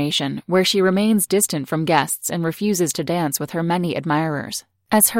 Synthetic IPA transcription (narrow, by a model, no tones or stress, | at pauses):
eɪʃɨ̃nwə˞ʃiɹɨmẽɪ̃nzdɪstɨ̃ntfɹʌ̃mɡɛstsɨ̰̃nɹɨfjʉzɨz̥tʰɨdæ̃nswɨð̥ə˞mɛniʔɨ̰d̚maɪɹə̰˞z̥ | ʔɨz̥ə